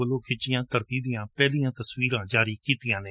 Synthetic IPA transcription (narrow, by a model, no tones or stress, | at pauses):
əloːkʰɪt͡ʃɪjãːt̪əɾt̪iːd̪ɪjãːpɛːlijãːt̪əswiːɾãːd͡ʒaːɾiːkiːt̪ɪjãːnẽː